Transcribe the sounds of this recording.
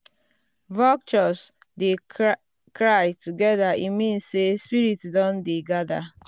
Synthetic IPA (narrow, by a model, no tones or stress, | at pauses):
vɔk̚t͡ʃɔs | de | kɾajtuɡɛdaimĩnssespiɾitdɔ̃ndeɡada